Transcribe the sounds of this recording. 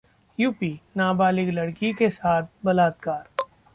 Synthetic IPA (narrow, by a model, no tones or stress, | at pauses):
juːpiːnaːbaːlɪklɐɽkikesaːt̪̚ʰbɐlaːt̪̚kaːɾ